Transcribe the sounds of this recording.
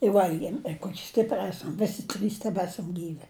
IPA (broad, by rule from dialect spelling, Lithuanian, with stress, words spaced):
ɪ ˈʋɐlʲɡʲiɛm ɪ ˈkoːkʲɪ ˈsʲtʲɪpʲrʲɪ ˈæːsɐm ˈʋʲæːsʲɪ ˈtʲrʲiːs tʲɛˈbʲæːsɐm ˈɡʲiːʋʲɪ